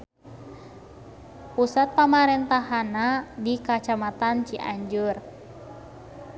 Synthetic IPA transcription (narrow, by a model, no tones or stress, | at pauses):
pusat̪̚pamaɾɛnt̪aɦanadikat͡ʃamat̪ant͡ʃiʔaɲd͡ʒur